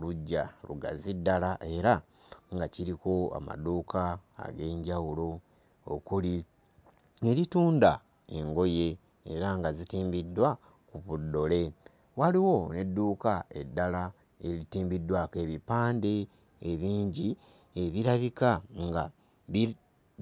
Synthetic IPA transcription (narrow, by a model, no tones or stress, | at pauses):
oluɟːalṵɡa̰zidːalaʔe̞ɾa | ŋɡaciɾiko̞a̰ma̰duːka̰ːɡe̞ːɲɟawulo̞ | o̰kuli | e̞ɾituːnda | e̞ŋɡo̞je̞̰ː | ɾaŋɡazitiːmbidːwa | kuβudːo̞le̞ | waliwo̞ne̞dːuːkae̞dːala | e̞litiːmbidːwake̞βipaːndeː | βiːɲɟi | eβiɾaβikaŋɡa | βi